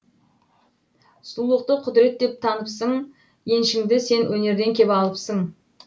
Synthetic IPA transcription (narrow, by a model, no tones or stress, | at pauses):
sʊlˠlˠəq̚t̪əqʰʊd̪ɾe̞t̪̚d̪e̞p̚t̪ʰɑnəpsəɴ | je̞nʃɪŋd̪ɪse̞nwɵne̞ɾd̪e̞ŋkʲʰe̞pɑlˠəpsəɴ